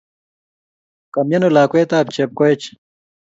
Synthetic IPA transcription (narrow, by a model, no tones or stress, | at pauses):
kɐmjɐnolaːkuet̪aːp̚t͡ɕʰep̚koet͡ɕ